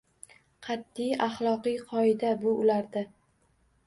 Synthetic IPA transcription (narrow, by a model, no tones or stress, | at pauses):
qʰɑt̪ːijɑχlˠɒqɨjqʰɒɪd̪abʊʊlaɾd̪a